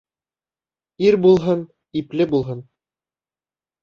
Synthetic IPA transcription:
iɾbulˠɦɤn | iplɘbulˠɦɤn

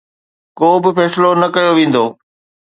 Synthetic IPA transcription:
koːbɪfɛːslonɐkɐjoʋẽːn̆d̪oː

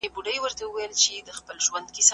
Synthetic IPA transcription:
ebuɖəjwəɾt̪awəwajəlt͡ʃed̪əxpəlʒwand̪̚kis

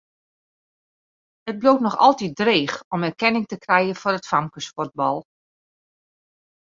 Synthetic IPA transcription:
əd̚bloːtnɔxɔlˠtit̚dreːxɔmɛrkɛnɪŋtəkrɛjəfʊrətfamkəspɔrt̚bɑlˠ

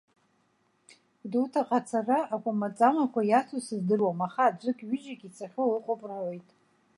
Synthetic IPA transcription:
dutʰaqʼat͡sʰaraʔakʷʼamat͡sʼamakʷʰajat͡sʰosɨzdɨrwamaχaːd͡ʒʷʼɨkʲʼɥʏd͡ʒakʲʼit͡sʰaχʲolɨqʷʼopʼrojtʼ

